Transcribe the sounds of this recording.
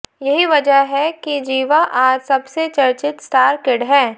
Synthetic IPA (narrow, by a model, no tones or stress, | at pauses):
jɐɦiʋɐd͡ʒəɦɦɛkid͡ʒiːʋaʔaːd͡ʒsɐbset͡ʃɐɾt͡ʃɪt̪sʈaːɾkɪɖɦɛ̃ː